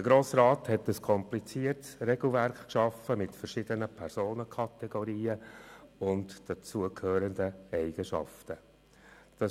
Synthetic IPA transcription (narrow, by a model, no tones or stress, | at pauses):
d̥əɡ̥ɾoːsrɑːthɛtːəskʰɔmplit͡siːəɾtsɾɛɡl̩ˠvæɾkkʃɑfəmɪtfəɾʃɪd̥ənəpʰɛɾsoːnəkʰɑt̪ɛɡ̥oɾiːəʊntd̥ɑt͡suəkʰhøːɾəndəɛɪɡ̥əʃɑ̰ftə | d̥ɑ